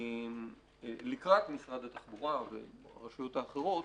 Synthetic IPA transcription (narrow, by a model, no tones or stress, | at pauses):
m | likʁat̪misʁad̪at̪aχbuʁavḛʁaʃujot̪aːχe̞ʁo̞t